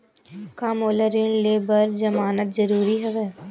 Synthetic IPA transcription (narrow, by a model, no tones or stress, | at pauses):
kaːmoːləɾɪnleːbəɾd͡ʒɐmaːnət̪zɐɾuːɾiɦɛʋɛː